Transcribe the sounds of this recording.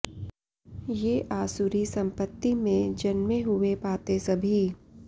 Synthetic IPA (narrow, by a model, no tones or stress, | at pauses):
jeːʔaːsuɾisɐ̃mpət̪ːimẽd͡ʒɐnmẽɦʊepaːt̪esɐbʱi